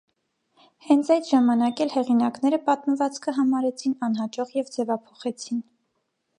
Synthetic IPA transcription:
hɛnt͡sʰɑjt͡sʰʒɑmɑnɑkɛlhɛʁinɑknɛɾəpɑt̪məvɑt͡skʰəɦɑmɑɾɛt͡sʰinɑnɦɑt͡ʃɔʁjɛvd͡zɛvɑpʰɔ̥χɛt͡sʰin

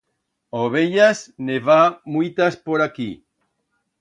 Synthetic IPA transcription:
oβeʎasneβamujt̪aspoɾaki

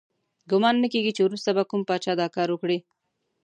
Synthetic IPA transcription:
ɡʊmɑnːəkeɡit͡ʃewɾust̪abakumpɑt͡ʃɑd̪ɑkɑɾwəkɽi

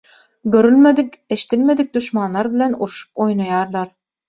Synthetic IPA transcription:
ɡøɾylmed̪ike̞ʃi̥t̪ilme̞d̪ik̚d̪uʃmɑnlːˠɑɾbilʲe̞nṵɾuʃu̥p̚o̞jnɑjɑːɾlˠɑɾ

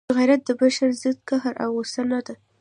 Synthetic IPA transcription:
əɣajɾat̪̚d̪əbaʃaɾzəd̪kaɦaɾʔa̰wosanad̪a

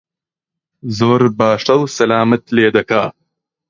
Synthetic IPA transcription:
zoːɾbaːʂʈɐwsɐlaːmɐt̪leːd̪ɐkʰaː

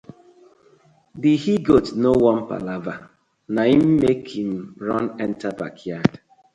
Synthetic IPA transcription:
dihiɡotnowɔ̃mpa̰lava | naim̩mekhĩm̩ɹɔnɛ̃ntaba̰kʰjad̥

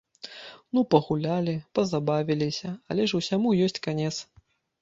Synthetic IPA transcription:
nupɐɣulʲalʲipɐzabavʲilʲisʲɐɐ̰lʲɛʂusʲamujɔsʲt͡sʲkanʲɛt̪s

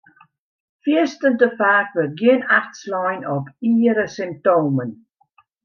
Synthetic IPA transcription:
fiəstəntəfaːkvər̚ɡiənaxtslɔjnɔpiːɾəsɪm̚toːmən

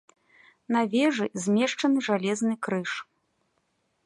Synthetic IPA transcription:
navʲɛʐɨzʲmʲɛʂt͡ʂɐnɨʐalʲɛznɨkɾɨʂ

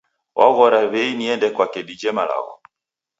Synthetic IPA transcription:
wʔa̰ɣɔɾaβɛiniɛndɛkwakɛdid͡ʒɛmala̰ɣɔ̰

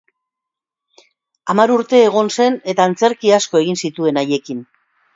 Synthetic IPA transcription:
amaɾuɾt̪e̞ːɣ̞o̞nse̞ne̞t̪aːnt͡se̞ɾkiasko̞e̞ɣ̞insit̪ue̞naje̞kin

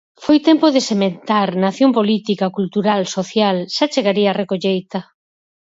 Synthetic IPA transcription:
fojt̪empoðesement̪aɾnaθjompolit̪ikakult̪uɾalsoθjalʃat͡ʃeɣaɾiarekoʎejt̪ɐ

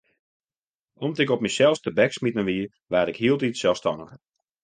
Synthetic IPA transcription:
ɔmtɪkɔp̚misɛlˠstəbɛksmitənʋiə | ʋaːɾɪkhiəlˠtitsɛlˠstɔnəx

